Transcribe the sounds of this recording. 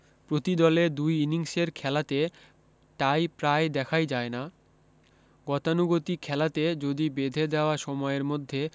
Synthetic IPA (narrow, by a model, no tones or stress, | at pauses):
pɾot̪id̪ɔled̪ujiniŋseɾkʰɛlat̪e | ʈajpɾaed̪ɛkʰajd͡ʑaena | ɡɔt̪anuɡot̪ikʰɛlat̪ed͡ʑod̪ibed̪ʱed̪ɛoaʃɔmɔeɾmod̪ʱːe